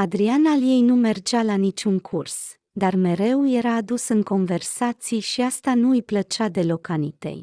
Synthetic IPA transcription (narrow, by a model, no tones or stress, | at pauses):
ad̪ɾianalje̞jnume̞rd͡ʒalanit͡ʃuŋkʰurs | d̪arme̞ɾe̞wje̞ɾaːd̪usɨŋko̞nve̞rsat̪sijʃiast̪anuɨjplət͡ʃad̪e̞lo̞kanit̪e̞̰j